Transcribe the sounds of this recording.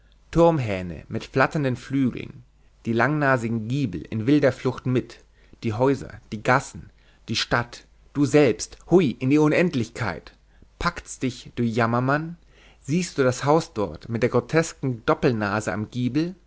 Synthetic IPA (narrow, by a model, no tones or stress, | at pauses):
tʰʊɐmɦɛːnə̰mɪtflatɐndənflyːɡl̩̰n | d̥iːlaŋnaːzɪɡŋ̩ɡiːbl̩ɪ̰nvɪldɐflʊxtmɪt | d̥iːɦɔʏzɐ̰d̥iːɡasn̩ | d̥iːʃtat | d̥uːzɛlpsthʊɪʔɪndiːʊnɛntlɪçkʰa̰ɪt | pʰaktd̥ɪçd̥ʊçjamɐman | ziːstd̥uːdashaʊsd̥ɔɐtmɪtd̥eːɐɡʁotʰɛskŋ̩dɔpl̩naːzəamɡiːbl̩